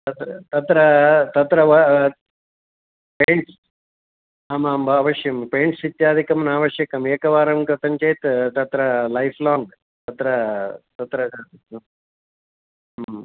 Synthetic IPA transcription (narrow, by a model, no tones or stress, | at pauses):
t̪ɐt̪ɾɐt̪ɐt̪ɾɐt̪ɐt̪ɾɐʋɐ | peːɳʈ | ɐmaːmbʱɐːʋɐʃjɐmpeːɳʈsit̪jaːd̪ʱikɐmɐnaːʋɐʃjɐkɐmeːkɐʋaːɾɐmkɾɐt̪ɐɲt͡ʃɐjt̪t̪ɐt̪ɾɐlɐjfʰlɔːŋɡ | t̪ɐt̪ɾɐt̪ɐt̪ɾɐ